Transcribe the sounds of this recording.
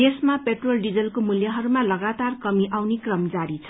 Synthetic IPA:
d̪esmapeʈrolɖid͡zʌlkomuljaɦʌɾumalʌɡat̪arkʌmiʔawnekrʌmd͡zaɾit͡sʰʌ

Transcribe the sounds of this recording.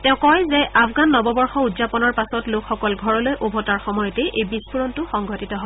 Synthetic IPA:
tɛ̃ʊ̃kɔjzɛʔapʰɡanːɔbɔbɔɹxɔudzapɔnɔɹpasɔtlokʰxɔkɔlɡʱɔɹɔlojʔobʱɔtaɹxɔmɔjɔtɛʔejbispuɹɔntʊxɔŋɡʱɔtitɔɦɔ

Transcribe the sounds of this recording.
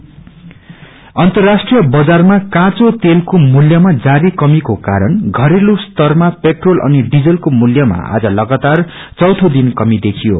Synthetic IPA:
ʌnt̪ʌrːasʈrijʌbʌd͡zarmakãt͡sot̪elkomuljʌmad͡zaɾikʌmikokaɾʌnɡʱʌɾelust̪ʌrmapeʈrolʔʌ̰niɖid͡zʌlkomuljʌma̰a̰d͡zʌlʌɡat̪ar | t͡sʌwt̪ʰod̪inkʌmid̪ekʰijo̰

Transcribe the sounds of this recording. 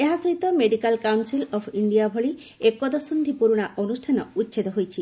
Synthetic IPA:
eɦasɔɦit̪ɔmeɖikalkawnsilɔpʰiɳɖijabʱɔɭi | ekːɔd̪ɔsund̪ʱipuɾuɽ̃aʔɔnusʈʰanɔut̪ːʃʰed̪ɔɦojt͡ʃʰi

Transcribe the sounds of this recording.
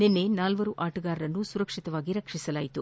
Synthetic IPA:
nenːenaːlʋɐɾuʔaːʈuɡaːɾɾɐnːusuɾɐkʂit̪ɐʋaːɡiɾɐkʂisɐlaːjit̪u

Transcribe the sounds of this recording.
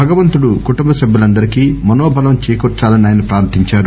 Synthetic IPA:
bʱɐɡɐʋɐnt̪uɽukuʈumbɐsɐbːulɐnd̪ɐɾikiːmɐnoːbʱɐlɐmt͡ʃijkɔt͡ʃaːlɐniaːjɐnipɾaːɾt̪ːiɲt͡ʃaːɾu

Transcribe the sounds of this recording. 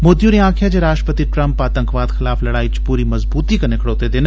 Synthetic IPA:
moːd̪ijuɾiãːkʰjad͡ʒeɾaːʃʈəpət̪iʈɾɐ̃mpaːt̪ə̃ŋkʋaːd̪xɪlaːflɐɽaːit͡ʃpuːɾimɐzbuːt̪ikɐnɪkʰɽoːt̪ed̪ɪn

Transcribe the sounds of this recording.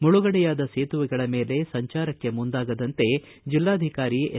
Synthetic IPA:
muɭuɡɐɽɛjaːd̪ɐseːt̪uʋɛɡɐɭɐme̞ːle̞sɐɲt͡ʃaːɾɐkːe̞mund̪aːɡɐd̪ɐnt̪e̞ | d͡ʒilːaːd̪ʱikaːɾi

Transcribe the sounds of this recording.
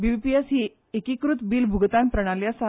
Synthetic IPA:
biʋipiesɦiː | ekikɾut̪biːlbʱuɡt̪ãnpɾəɽ̃aljasa

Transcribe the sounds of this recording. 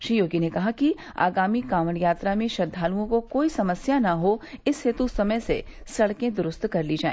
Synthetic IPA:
ʃɾiːjoːɡinekɐɦaki | a̰ːɡaːmikaːməɳjaːt̪ɾamẽʃɐd̪ʱːaːluõkokoːisɐməsjanɐɦoɪsɦeːt̪usɐməjsḛ | sɐɽkẽd̪ʊɾʊst̪kɐɾlid͡ʒaːḛ̃ː

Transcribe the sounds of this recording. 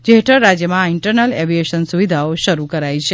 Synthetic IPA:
d͡ʒeɦʈəɭːad͡ʒjəmãɪɳʈəɾnəleʋieʃənsuʋid̪ʱaoʃəɾukəɾajt͡ʃʰe

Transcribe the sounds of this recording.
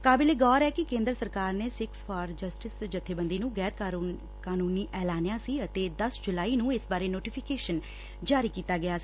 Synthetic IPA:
kaːbɪleːɡɔːɾɛːkɪkẽːnd̪ɾəsəɾkaːɾneːsɪkspʰɔːɾd͡ʒəsʈɪsd͡ʒət̪ʰːeːbə̃nd̪iːnũːɡɛːɾkː | kaːnuːniːʔɛːlaːnjãːsiːət̪eːd̪əsd͡ʒʊlaːiːnũːɪsbaːɾeːnoːʈiːpʰɪkeːʃən | d͡ʒaːɾiːkiːt̪aːɡɪjaːsiː

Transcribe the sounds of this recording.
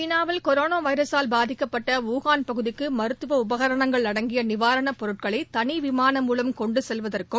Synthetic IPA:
t͡ʃinaːʋɐlkɔɾoːnaːʋɐɪɾɐsaːlbaːðɪkːɐpːɐʈːɐuːɣaːnpɐɣɯðɪkːɯmɐɾɯt̪ːɯʋɐʊbɐɣɐɾɐɳɐŋɡɐɭnɐɽɐŋɡɪjɐnɪʋaːɾɐɳɐpɔɾɯʈ̚kɐɭɐɪt̪ɐnɪʋɪmaːnɐmːuːlɐmkɔɳɖɯsɛlʋɐðɐrkɯ

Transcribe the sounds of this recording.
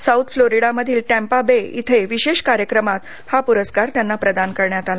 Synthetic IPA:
sawt̪ʰfloɾiɽaməd̪ʱiːlʈæ̃mpabeḭt̪ʰeʋiɕeɕkaɾjəkɾəmat̪ | hapuɾəskaɾt̪janːapɾəd̪ankəɾɳjat̪ala

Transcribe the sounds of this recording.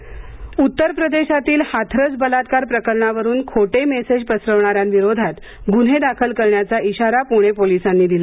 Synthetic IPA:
ut̪ːəɾpɾəd̪eɕat̪iːlhat̪ʰɾət͡sbəlat̪kaɾpɾəkəɾɳaʋəɾuːnkʰoʈemesed͡ʑpəsɾəʋɳaɾjanʋiɾod̪ʱat̪ | ɡun̤ed̪akʰəlkəɾɳjat͡saʔiɕaɾapuɽ̃epolisanːiːd̪ila

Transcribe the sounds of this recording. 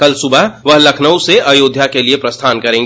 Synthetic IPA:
kɐlsʊbʱəɦʋɐɦlɐkʰnəuseʔɐjoːd̪ʱjakeliepɾɐst̪ʰaːnkɐɾẽːŋɡ

